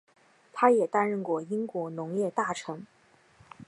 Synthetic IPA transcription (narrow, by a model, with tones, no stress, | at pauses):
t̪ʰa˥jɛ˨˩t̪a˥nɻə˥˧nkwɔ˥˩i˥ŋkwɔ˧˥nʊ˧˥ŋjɛ˥˧t̪a˥˩ʈ͡ʂʰɤ˧˥ŋ